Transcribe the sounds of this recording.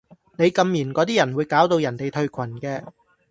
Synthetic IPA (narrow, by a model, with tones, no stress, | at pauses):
ne˨˧jkɐ˧mjiː˨˩nkɔː˨˧t̪̬iː˥jɐ˨˩nwuː˨˧jkaː˨˥wt̪o˧wjɐ˨˩nt̪e˨˩jt̪ʰɵ˧ɥkʷʰɐ˨˩nkɛː˧